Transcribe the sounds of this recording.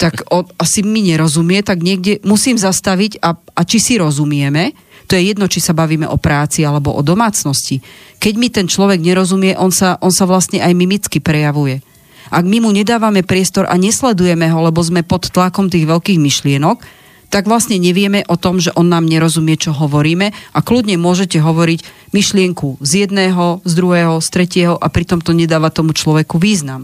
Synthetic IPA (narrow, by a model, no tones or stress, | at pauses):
t̪akɔnasimiɲɛɾɔzumɪjɛt̪aɡɲɪɛɡɟɛmusiːmzast̪aʋiɟaʔat͡ʃisiɾɔzumɪɛmɛ | t̪ɔjɛjɛd̪nɔt͡ʃisabaʋiːmɛ̰ʔɔpɾaːt͡sialɛbɔʔɔd̪ɔmaːt͡snɔscikɛɟmit̪ɛnt͡ʃlɔʋɛɡɲɛɾɔzumɪɛʔɔnsaʔɔnsaʋlast̪ɲɛʔajmimit͡skipɾɛjaʋujɛ | ʔaɡmimuɲɛd̪aːʋamɛpɾɪɛst̪ɔɾʔa̰ɲɛslɛd̪ujɛmɛɦɔlɛbɔzmɛpɔt̪ːlakɔmt̪iːɣʋɛlkiːɣmiʃlɪɛnɔk | t̪aɡʋlastɲɛɲɛʋɪɛmɛʔɔt̪ɔmʒɛʔɔnːaːmɲɛɾɔzumɪɛt͡ʃɔɦɔʋɔɾiːmɛaklud̪ɲɛmʊɔʒɛcɛɦɔʋɔɾicmiʃlɪɛŋkuzjɛd̪nɛːɦɔzd̪ɾuɦɛːɦɔst̪ɾɛcɪɛɦɔʔapɾit̪ɔmt̪ɔɲɛd̪aːʋat̪ɔmut͡ʃlɔʋɛkuʋiːznam